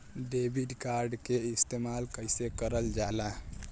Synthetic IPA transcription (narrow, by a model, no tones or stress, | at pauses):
ɖebʱiɖkaɾɖkeist̪emalkəɪsekəɾəld͡ʒala